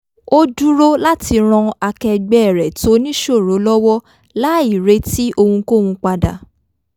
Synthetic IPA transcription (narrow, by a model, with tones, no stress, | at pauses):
o˦du˦ɾo˦la˦ti˧ɾ̃ɔ̃˧a˧kɛ˧ɡ͡bɛ˦˨ɾɛ˨to˨˦nĩ˦ʃo˦˨ɾo˨˦lɔ˦wɔ˦ | la˦i˦˨ɾe˨˦ti˦ʔo˧hũ˧ko˦˨wũ˧k͡pa˧da̰˨